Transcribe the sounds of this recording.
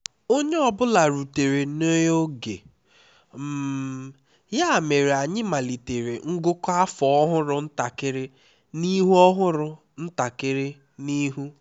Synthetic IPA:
o˦ɲe˦ɔ˨bʊ˦la˨ɾu˨te˨ɾe˨no˦jo˦ɡḛ˨ | m̩˦ | ja˦˨me˨ɾe˨a˨ɲɪ˦ma˨li˨te˨ɾe˨ŋ̩˦ɡʊ˦ka˦fɔ˨ɔ˦ɦʊ˦ɾʊ˨n̩˦ta˨kɪ˦ɾɪ˦ | ni˦ɦu˦ɔ˦ɦʊ˦ɾʊ˦ | n̩˦ta˨kɪ˦ɾɪ˦ | ni˦ɦu˦

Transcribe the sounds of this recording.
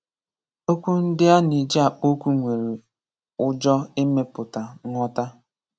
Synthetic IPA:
o˦kʷu˦n̩˦dɪ˦a˦ni˨d͡ʒa˨k͡po˦kʷu˦ŋʷe˨ɾi˨ | ʊ˦d͡ʒɔ˦e˦me˦pʊ˨ta˨˦ŋʷɔ˦ta˦

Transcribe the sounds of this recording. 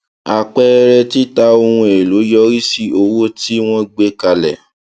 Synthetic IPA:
a˨k͡pɛ˦˧ɾɛ˧ti˦ta˧o˧hũ˧e˨lo˨˦jɔ˦ɾi˦si˦o˧wo˦ti˦w̃ɔ̃˦ɡ͡be˦ka˧lɛ˨

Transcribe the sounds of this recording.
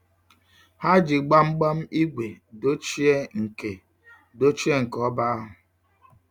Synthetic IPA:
ha˦d͡ʒi˨ɡ͡ba˦m̩˦ɡ͡ba˦m̩˦i˦ɡʷe˨do˦t͡ʃi˦e˦ŋ̩˨ke˨ | do˦t͡ʃi˦e˦ŋ̩˨kɔ˦ba˦a˦ɦʊ˨

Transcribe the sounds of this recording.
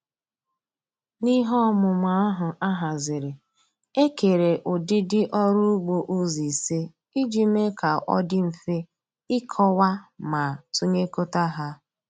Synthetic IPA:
ni˦ɦɔ˦mʊ˨ma˨a˦ɦʊ˨ʔa˦ɦa˨zɪ˨ɾɪ˨ | e˦ke˨ɾe˨ʔʊ˨dɪ˦dɪ˦ʔɔ˦ɾu˦ɡ͡bo˨ʔu˦zi˨se˦ | i˦d͡ʒi˨me˦kʰa˨ʔɔ̰˦dɪ˦m̩˨fe˦ | ɪ˦kʰɔ˦wa˦ma˨tu˦ɲe˦ko˦ta˦ɦa˦

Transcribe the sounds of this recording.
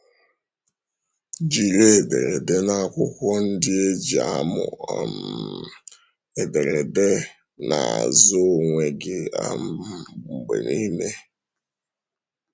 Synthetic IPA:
d͡ʒi˨ɾe˦e˨dḛ˨ɾe˨de˦na˦˨kʷʊ˦kʷɔ˦n̩˦dɪ˦e˦d͡ʒi˨a̰˦mʊ̰˨a˨m | e˨de˨ɾe˨de˦ | na˨a̰˨zʊ˦ŋʷe˨ɡɪ˦a̰˦mŋ͡m̩˨ɡ͡bḛ˨ni˦me˦

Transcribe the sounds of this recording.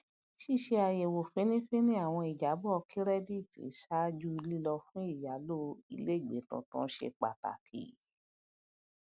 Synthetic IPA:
ʃi˦˨ʃe˧a˨je˨wo˨fe˨˦nĩ˦fe˦nĩ˦a˦˨w̃ɔ̃˧i˨d͡ʒa˨˦bɔ˦˧ki˦ɾɛ˦di˦˨tḭ˨˦ʃa˦d͡ʒu˦˧li˦lɔ˧fũ˦i˦˨ja˨˦lo˦ḭ˧le˦˨ɡ͡be˨˦tɔ̰̃˧tɔ̃˦ʃḛ˧k͡pa̰˨ta̰˨kʰḭ˨

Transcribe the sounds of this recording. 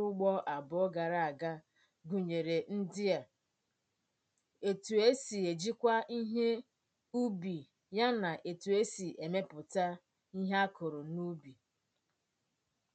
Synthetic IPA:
ʊ˦ɡ͡bɔ˦ʔa˨bʊ˨˦ɔ˦ɡa˨ɾa˦˨a˨ɡa˦ | ɡu˨ɲe˨ɾe˨n̩˦dɪ˦a˨ | e˨tu˨e˦si˨e˨d͡ʒi˦kʷa˦ʔi˦ɦe˦ | u˦bi˨ | ja˦na˨ʔe˨tu˨e˦si˨ʔe˨me˦pʊ˨ta˦ | i˦ɦe˦a˦kʊ˨ɾʊ˨nu˦bi˨

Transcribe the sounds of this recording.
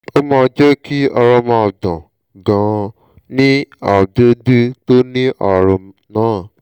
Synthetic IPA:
o˦mã˦˧d͡ʒɛ˦kʰi˦ɔ˧ɾɔ˧mã˧˨dã˨ | ɡã˨ | nĩ˦a˦˨do˦du˦to˦nĩ˦ʔa˨ɾɔ˧ | nãː˨˦˨

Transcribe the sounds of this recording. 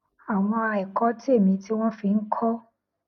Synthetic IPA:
a˨w̃ɔ̃˧a˧ɛ˨kɔ˨˦ti˦e˦˨mĩ˨˧ti˦w̃ɔ̃˦fi˧ŋ̩˦kʰɔ˦

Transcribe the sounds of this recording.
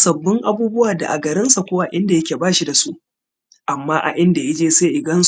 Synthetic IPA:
sɐ˨bːɪ˦ŋʔa˦buː˦bʊ˦waː˨da̰˨ʔa̰˨ɡɐ˨ɾɪ˦nsa˨kʷoː˦wa˦ʔɪ˦nda˨jɐ˦kʲeː˨baː˦ʃi˦da˨su˦ʔ | ʔa˨mːaː˦ʔa̰˨ʔɪ˦nda˨ja˦d͡ʒeː˦seː˦ʔɪ˨ɡɐ˦ns

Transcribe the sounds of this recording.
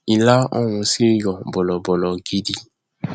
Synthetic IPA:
i˧la˦ɔ̰˦˨w̃ũ˧se˦˨jɔ˨bɔ˨lɔ˨bɔ˨lɔ˨ɡi˦di˦

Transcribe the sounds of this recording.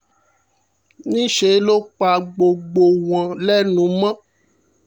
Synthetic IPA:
nĩ˦ʃe˨˦lo˦k͡pa˧˨ɡ͡bo˨ɡ͡bo˨w̃ã˨lɛ˦nũ˨˦mã˦

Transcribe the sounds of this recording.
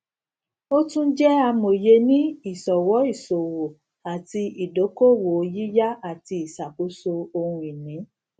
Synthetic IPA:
o˦tũ˦d͡ʒɛ˦a˧mo˨je˧nĩ˦i˦˨sɔ˨wɔ˨˦i˦˨so˨wo˨ | a˨ti˧i˨do˨˦ko˦wo˨o˧˦ji˦ja˦a˨ti˧i˨sa˨ku˨˦so˧o˧hũ˧i˨nĩ˨˦

